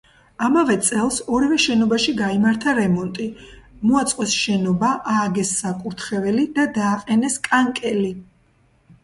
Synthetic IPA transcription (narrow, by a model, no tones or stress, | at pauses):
amavɛt̪sʼɛlˠsɔɾivɛʃɛnɔbaʃiɡaimaɾt̪ʰaɾɛmɔnt̪ʼimɔat̪sʼqʼɛsʃɛnɔbaʔaːɡɛsːakʼuɾt̪ʰχɛvɛlid̪ad̪aːqʼɛnɛskʼaŋkʼɛli